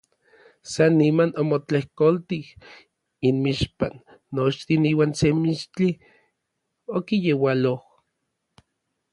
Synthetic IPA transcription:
sanːimanomot͡ɬehkolt̪ih | inmiʃpanː | ot͡ʃt̪iniːwaːnsemiʃt͡ɬi | okijewaloh

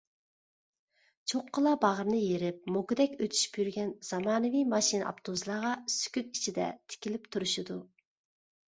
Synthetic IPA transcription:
t͡ʃʰoqʰːəlˠɑbɑʁəɾnɨjeɾɪp̚moɡʊd̪ɛkʲøt̪ʰy̥ʃpjyɾɡʲɛnz̥ɑmɑːnɨvijmɑʃinɑ̰pt̪ʰozlˠɑʁɑsy̥kʲyt̪it͡ʃʰid̪ɛ̰t̪ʰɪ̥kʲilɪpt̪ʰuɾuʃid̪u

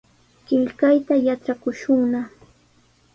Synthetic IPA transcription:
kɪʎkajt̪ajat͡ʃakʊʃʊŋna

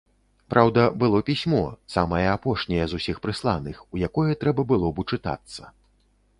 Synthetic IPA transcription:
pɾʔawd̪ɐbɨlˠɔpʲisʲmɔsamɐjɐapɔʂnʲɐjɛzusʲixpɾɨslˠanɨxujakɔjɛt̪ɾɛbɐbɨlˠɔbɨt͡ʂɨt̪a̰t̪sːɐ

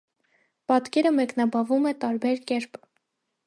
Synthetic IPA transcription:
pɑt̪kɛɾəmɛknɑbɑvumɛt̪ɑɾbɛɾkɛɾp

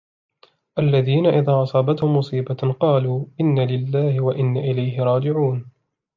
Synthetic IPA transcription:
ʔalːaðiːnaʔɪðaːʔɑsˤɑːbat̪hʊmːʊsˤiːbaqɑːluːʔɪnːalɪlːaːhɪwaʔɪnːaʔɪlajɦɪɾˤɑːd͡ʒɪʕuːn

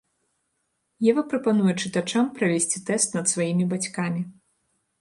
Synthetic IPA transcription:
jɛvɐpɾɐpan̪ujɛt͡ʂɨt̪at͡ʂampɾɐvʲesʲt͡sʲit̪ɛst̪nɐt̪svajimʲibat͡sʲkamʲi

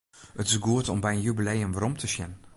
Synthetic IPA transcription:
ətɪsɡuətɔmbɛjənjubilejəmʋaɾɔmtʰəsjɛn

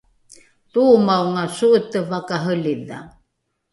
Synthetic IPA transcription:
tumawŋasuʔət̪əvakaɦəliða̰

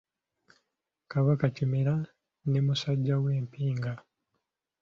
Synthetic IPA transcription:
kaβakacimeɾa | ne̞musaɟːaɡweːmpiːŋɡa

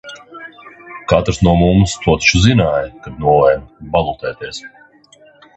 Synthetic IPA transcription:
kat̪ɾsnuɔmumst̪ʰuɔt̪ʃuzinaːjkad̪̚nuɔvɛjnbalˠut̪ɛːt̪eɛs

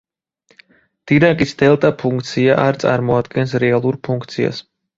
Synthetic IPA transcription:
d̪̥id̪akʼisd̪ɛlˠt̪ʼapʰuŋkt̪sʰijaʔaɾt̪sʰʼaɾmɔad̪ɡɛnsɾɛalˠuɾpʰuŋkt̪sija̰s

